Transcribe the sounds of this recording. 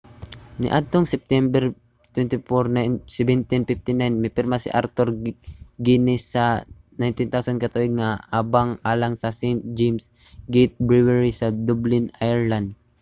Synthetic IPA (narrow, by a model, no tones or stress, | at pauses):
nɪ̰ʔad̪̚t̪oŋsɛp̚t̪ɛmbɛɾ | t̪wɛnt̪ɪfoɾnasɛbɛnt̪infɪf̚t̪ɪnajnmɛpɪɾmasɪ̰ʔaɾt̪oɾɡinɪsːɐ | najnt̪ɪnt̪awsankɐt̪uʔoɡ̪̚ŋaaːbaŋʔaːlaŋsɐsɛjnt̪̚d͡ʒɛjms | ɡɛjt̪̚bɹɪwɛɹisɐd̪ublɪnajɛɹland̪̚